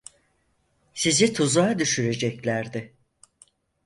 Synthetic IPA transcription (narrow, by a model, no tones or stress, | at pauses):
sizit̪ʰuzad̪yʃyɾe̞d͡ʒɛclʲæɾd̪ɪ